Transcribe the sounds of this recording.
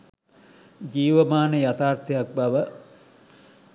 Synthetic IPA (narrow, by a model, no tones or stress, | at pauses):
d͡ʒiːʋəmaːnəjat̪aːrt̪ɐjak̚bɐʋə